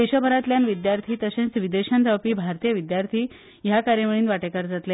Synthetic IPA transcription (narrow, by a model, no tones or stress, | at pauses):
eɕəbʱəɾat̪ljanʋid̪jaɾt̪ʰiːt̪əɕẽnt͡sʋid̪eɕand͡zawpiːbʱaɾt̪ijəʋid̪jaɾt̪ʰiː | jakaɾjəʋəɭ̃iːnʋaʈekaɾd͡zat̪le